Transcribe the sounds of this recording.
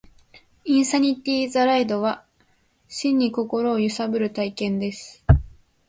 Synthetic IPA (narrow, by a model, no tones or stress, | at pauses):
ĩɰ̃saɲ̟ʲit̪ʲiːzaɾaid̪o̞βa | ɕĩɲ̟ːiko̞ko̞ɾo̞ːjɯ̟sabɯ̟ɾɯ̟t̪aikẽ̞nd̪e̞sɨ̥